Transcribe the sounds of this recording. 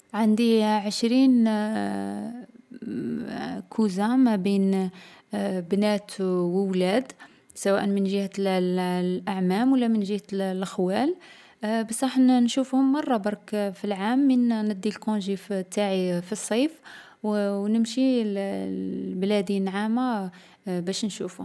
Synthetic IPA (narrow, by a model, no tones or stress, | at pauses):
ʕand̪iʕəʃɾin | kʰuzamæbin | bnæt̪wəwlæd̪ | sæwæʔənmənʒəhællʔaʕmæmwəlːæmənʒəhlʔxwæl | bæsˤɾˤɑħnnʃufhʊmːɑrˤːɑbɑɾˤkfilʕamːənnəd̪ːilkõʒift̪ːaʕifisˤːɑjf | wwnəmʃi | blæd̪inʕamːa | bæʃnʃuf